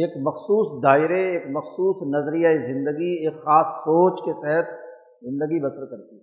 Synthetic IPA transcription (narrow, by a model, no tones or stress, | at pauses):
eːkmɐxsuːsd̪aːɪɾeeːkmɐxsuːsnɐzɾijaezɪ̃nd̪əɡieːkxaːsːoːt͡ʃkesɛɦət̪̚ | zɪ̃nd̪əɡibɐsɾkɐɾt̪iɦɛ